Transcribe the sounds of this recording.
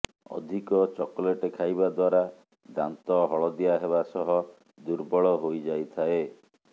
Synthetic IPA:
ɔ̰d̪ʱikɔt͡ʃɔkɔleʈekʰajbad̪waɾa | d̪a̰nt̪ɔɦɔɭɔd̪ijaɦeβasɔɦɔ | d̪uɾbɔɭɔɦojd͡ʒajt̪ʰae

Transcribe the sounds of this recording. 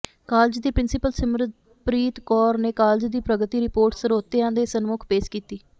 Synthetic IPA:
kaːlɪd͡ʒd̪iːpɾɪnsɪpəlsəmɾəd̪̚ | pɾiːt̪kɔːɾneːkaːld͡ʒd̪iːpɾəɡət̪iːɾɪpoːɾʈsəɾoːt̪eːãːd̪eːsənmʊkʰpeːʃkiːt̪iː

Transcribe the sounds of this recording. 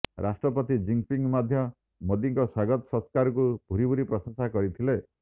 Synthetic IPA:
ɾasʈɾɔpɔt̪id͡ʒiŋpiŋmad̪ʱjɔ | mod̪iŋkɔswaɡɔt̪ɔ̥sɔskaɾɔkub̥ʱuɾibʱuɾipɾɔsɔnsakɔɾit̪ʰile

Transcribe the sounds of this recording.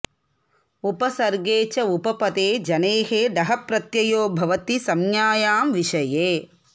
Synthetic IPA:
upɐsɐɾɡeːt͡ʃɐupɐpɐt̪eːd͡ʒɐneːɦeːɖɐɦɐpɾɐt̪jɐjoːbʱɐʋɐt̪isɐmjaːjaːmʋiʃɐjeː

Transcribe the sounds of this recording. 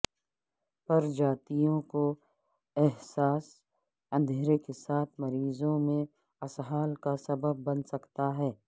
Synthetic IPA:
pɐɾd͡ʒaːt̪ijõko | ɛɦsaːs | ɐ̃nd̪ʱeːɾekesaːt̪ʰmɐɾiːzõmẽ | ɐsɦaːlkasɐbəbːɐnsɐkt̪aɦɛː

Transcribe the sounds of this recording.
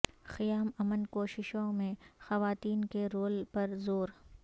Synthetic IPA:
xɪjaːmɐmənkoːʃɪʃõmẽxɐʋaːt̪iːnkeɾoːlpɐɾzoːɾ

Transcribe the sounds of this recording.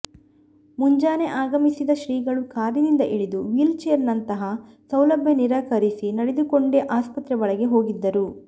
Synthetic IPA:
muɲd͡ʒaːne̞ʔaːɡɐmisid̪ɐʃɾiːɡɐɭukaːɾjɐnind̪ɐʔiɭid̪uʋilt͡ʃeːɾnɐnt̪ɐɦɐ | sɐwlɐbʱjɐniɾaːkɐɾisinɐɽed̪ukoɳɖeʔaːspɐt̪ɾɛʋɐɭɐɡe̞ɦo̞ːɡid̪ːɐɾu

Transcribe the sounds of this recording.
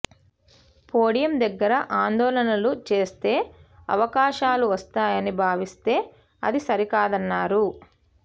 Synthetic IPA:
poːɽijɐmd̪ɐɡːɐɾɐʔaːnd̪ɔːlɐnɐlut͡ʃe̞ːst̪e̞ːɐ̰ʋɐkaːʃaːluʋɐst̪aːjɐnibʱaːʋist̪e̞ː | ɐ̰d̪isɐɾikaːd̪ɐnːaːɾu

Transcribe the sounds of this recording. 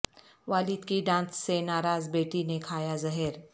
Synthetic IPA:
ʋaliːd̪kiɖãnssenaɾad͡zbeʈinekʰajazəɦeɾ

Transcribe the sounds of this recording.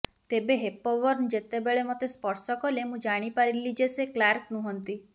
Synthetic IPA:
t̪ebeɦepɔʋɔɾnd͡ʒet̪ebeɭemɔt̪espɔɾsɔkɔlemũd͡ʒaɽ̃ipaɾilid͡ʒeseklaɾknũɦɔnt̪i

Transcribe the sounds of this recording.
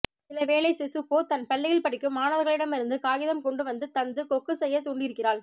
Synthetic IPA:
sɪlɐʋeːlɐɪsɪsɯkːoːt̪ɐnpɐɭːɪɣɐɭpɐɽɪkːɯmːaːnɐʋɐɾɣɐɭɪɽɐmɪɾɯnd̪ɯkaːɣɪðɐmkɔɳɖɯʋɐnd̪ɯt̪ɐnd̪ɯkɔkːɯsɛjːɐt̪uɳɖɪɾɯkːɪraːɭ

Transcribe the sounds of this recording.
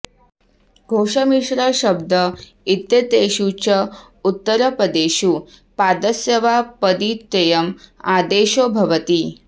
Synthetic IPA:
ɡʱoːʂɐmiʂɾəɕəb̚d̪ʱə | it̪jɐt̪eːʃut͡ɕɐ | ut̪ːəɾəpɾəd̪eːɕu | pad̪əsjɐʋapəd̪iːt̪ːɐjəmaːd̪eːʃobʱɐʋət̪i

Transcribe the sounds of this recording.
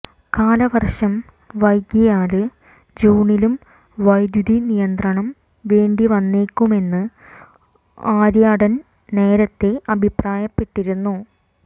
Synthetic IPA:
kaːlɐʋɐrʂɐm | ʋɐjɡjɐjaːlɨ | d͡ʑuːɳilum | ʋɐjd̪jud̪inijɐnd̪rɐɳɐm | ʋe̞ːɳɖiʋɐnːeːkːume̞nːɨ | aːɾjaːɽɐn | ne̞ːɾɐt̪ːeɐbʱipraːjɐpːe̞ʈːiɾunːu

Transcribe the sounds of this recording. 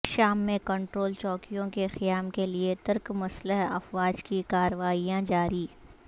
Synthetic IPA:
ʃaːmːẽkɐ̃ɳʈɾoːlt͡ʃɔːkijõkexɪjaːmkeliet̪ɐɾkmɐsləɦɐfwaːd͡ʒkikaːɾəʋaːijãd͡ʒaːɾiː

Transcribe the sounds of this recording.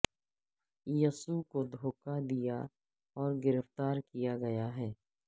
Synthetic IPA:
jəsukod̪ʱoːkad̪ija | ɔːɾɡɪɾəft̪aːɾkijaɡɐjaɦɛː

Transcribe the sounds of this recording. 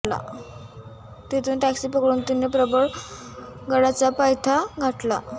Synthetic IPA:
la̰ | t̪et̪ʰuːnʈæksipəkɭuːnt̪inːepɾəbəɭ | ɡəɽat͡sapajt̪ʰaɡʱaʈla̰

